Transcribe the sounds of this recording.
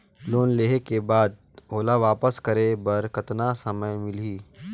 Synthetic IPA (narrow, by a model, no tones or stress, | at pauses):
loːnleːɦekebaːd̪̚ | ɦoːlaʋaːpəskɐɾebɐɾkɐt̪nasɐməjmɪliː